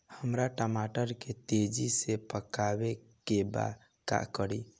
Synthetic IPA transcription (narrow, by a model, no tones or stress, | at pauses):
həmɾaʈəmaʈəɾket̪ed͡ʒisepəkabe | keba̰ | ka̰kəɾi